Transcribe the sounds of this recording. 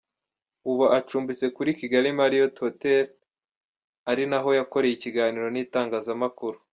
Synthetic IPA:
uβaʔat͡ʃuːmbit͡se̞kuɾiciɡaɾimaɾijo̞tʰotel | aɾinaɦo̞jako̞ɾe̞jiciɡaːniɾo̞niːtaːŋɡaːzamakuɾu

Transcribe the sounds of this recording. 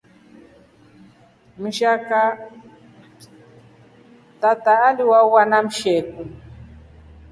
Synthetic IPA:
miʃaka | t̪at̪aːliwauwanam̩ʃɛku

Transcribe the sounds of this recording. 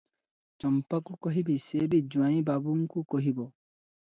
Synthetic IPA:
t͡ʃɔmpakukoɦibisebid͡ʒãĩbabuŋ̩kukoɦibɔ

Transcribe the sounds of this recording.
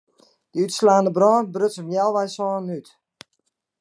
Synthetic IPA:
d̥əytslaːndəbrɔːnbrøsəmjɛlˠʋɛjsɔːnyt

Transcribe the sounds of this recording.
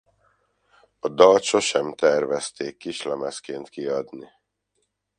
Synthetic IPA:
ɒd̪ɒlt̪ʃoʃɛmt̪ɛrvɛst̪eːkːiʃlɛmɛskeːnt̪kiɒd̪ni

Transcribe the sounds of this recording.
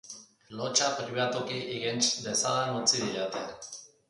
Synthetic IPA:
lot͡ʃapɾiβat̪ukiʔiɣent͡ʃd̪esalanut͡siðiʎat̪e

